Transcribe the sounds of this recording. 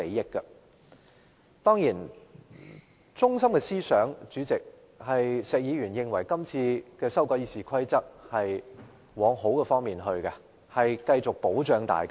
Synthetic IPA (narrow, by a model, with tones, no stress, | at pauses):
e˨˥jjɪ˥kːɐ˧ | t̪ɔː˥ŋjiː˨˩n | t͡sʊ˥ŋsɐ˥mkɛ˧siː˥sœː˨˥ŋt͡ʃyː˨˥t͡sɪ˨k̚ | hɐ˨jsɛː˨k̚jiː˨˧ɥyː˨˩njɪ˨˧ŋwɐ˨˩jkɐ˥mt͡sʰiː˧kɛː˧sɐ˥wkɔː˨˥jiː˨˩siː˨˩kʰɐ˥jt͡sɐ˥k̚hɐ˨j | wɔː˨˧ŋɦo˨˥wkɛ˧fɔː˥ŋmiː˨nɦɵ˧ɥkɐ˧ | hɐ˨jkɐ˧jt͡sʊ˨k̚po˨˥wt͡ʃœː˨˧ŋt̪a̰ː˨jka˥